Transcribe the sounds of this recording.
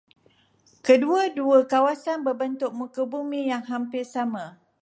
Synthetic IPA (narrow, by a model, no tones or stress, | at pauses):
kəduaduakawasanbərbənt̪ʊk̚mũkəbumĩjaŋɦampɪrsamã